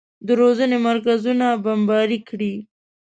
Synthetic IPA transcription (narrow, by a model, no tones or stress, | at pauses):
d̪əɾozənemaɾk̬azunabambɑɾikɽi